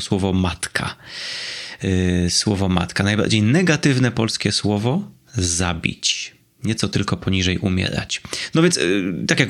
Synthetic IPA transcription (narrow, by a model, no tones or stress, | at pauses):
swɔvɔmat̪kʰa̰ | swɔvɔma̰t̪kanajba̰ɾd͡ʑejnɛɡat̪ɘvnɛpɔlskʲɛswɔvɔ | zabʲḭt͡ɕ | ɲɛt̪sɔt̪ɘlkɔpɔɲiʐɛjʔumʲjɛ̰ɾa̰t͡ɕnɔvʲjɛnst̪akʲjak